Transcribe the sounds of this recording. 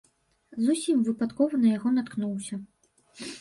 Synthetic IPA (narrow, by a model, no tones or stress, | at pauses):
zusʲimvɨpat̪kɔvɐnɐjaɣɔnat̪knuwsʲɐ